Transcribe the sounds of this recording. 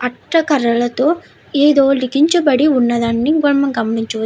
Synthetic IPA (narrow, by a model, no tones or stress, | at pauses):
ɐʈɾɐkɐɾɐɭɐt̪oː | eːd̪oːlikiɲt͡ʃɐbɐɽiunːɐd̪ɐnːiŋɡɐɭmɐŋɡɐmːɐniɲt͡ʃuʋɐ